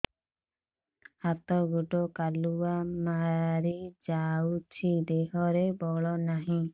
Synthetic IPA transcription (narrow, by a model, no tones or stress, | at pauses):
at̪ɔɡuʈɔkaluamaɾid͡ʒawt͡ʃʰid̪eɦɔɾebɔɭɔnaɦĩ